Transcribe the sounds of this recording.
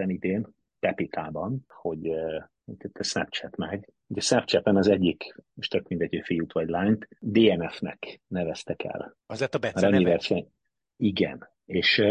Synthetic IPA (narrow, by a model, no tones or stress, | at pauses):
ɛnid̪eːn | t̪ɛpit̪ʰaːbɒnho̞ɟ | oɛt̪ʰːɛsnɛpt͡ʃɛt̪mɛɡ | uɟɛsnɛpt͡ʃɛt̪ɛnɒzɛɟːikmoʃt̪økmind̪ɛtøfijut̪ʋɒɟlaːɲt̪d̪eːɛnɛfnɛ̰knɛvɛst̪ɛkʰɛ̰l | ɒzet̪mɛɾɒɲːivɛrʃɛɲ | iɡɛ̰n | eːʃ